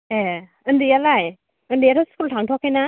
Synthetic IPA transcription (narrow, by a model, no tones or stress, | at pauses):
e | ɯndijalaj | ɯndijatʰɔskultʰaŋtʰɔkhajna